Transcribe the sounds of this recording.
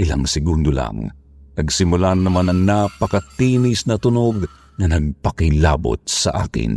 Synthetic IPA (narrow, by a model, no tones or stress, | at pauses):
ʔɪla̰ŋsɪɡund̪ola̰ŋ | ʔɐɡsɪmʊlanːɐmanɐŋnapɐkɐt̪inɪsnɐt̪ʊnoɡ | ŋɐnɐɡ̚pɐkɪla̰ːbo̰t̪̚sɐ̰ʔa̰ːkɪ̰n